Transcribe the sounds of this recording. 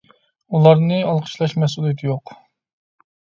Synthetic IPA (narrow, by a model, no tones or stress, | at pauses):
ulˠɑɾnɨɑlˠqʰə̥ʃlˠɑʃmɛsulˠijit̪ʰɨjoq